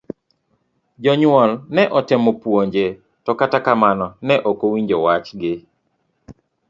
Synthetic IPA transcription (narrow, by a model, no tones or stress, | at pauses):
d͡ʒɔɲwɔlnɛʔɔtɪmɔpwoɲd͡ʒe | tɔkatakamanɔnɛʔɔkowiɲd͡ʒɔwat͡ʃɡɪ